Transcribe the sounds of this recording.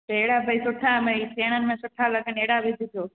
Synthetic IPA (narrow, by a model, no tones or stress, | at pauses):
teːɽaːbʱəisʊʈʰaməisʰeːɽ̃ənɪ̆mẽːsʊʈʰaːləɡəneːɽaʋɪd͡ʒʱɪt̪oː